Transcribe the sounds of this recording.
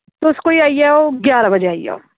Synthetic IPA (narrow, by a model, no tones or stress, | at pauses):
t̪oʊskoiaːijɛoːɡjaːɾabəd͡ʒeaːiḛo̰ː